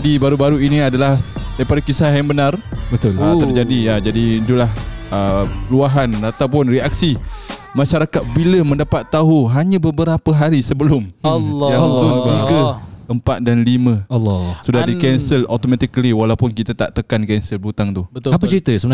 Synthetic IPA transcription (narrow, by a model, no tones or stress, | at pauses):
dibaɾubaɾuiniadalahdaɾipadakisahjaŋbənarbət̪ʊlat̪ərd͡ʒadijad͡ʒadit̪ulahəluaɦanat̪awpʊnriak̚simaʃaɾakat̪̚biləmə̃ndapat̪ːaɦuɦaɲãbəbəɾapəɦaɾisəbəlʊmjazʊnmiɡəəmpat̪̚danlimə̃lsudahdikɛnsəlot̪omat̪ikliwalawpʊnkit̪at̪a̰ʔt̪əkankɛnsəlbut̪aŋt̪ut̪apət͡ʃəɾit̪əsəmən